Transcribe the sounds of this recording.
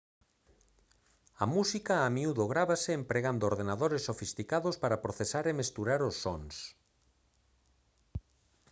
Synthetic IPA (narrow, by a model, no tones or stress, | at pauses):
amusikaːmiuðoɣ̞ɾaβaseːmpɾeɣand̪oɾðenaðoɾesːofist̪ikaðospaɾapɾoθesaɾemest̪uɾaɾosːɔns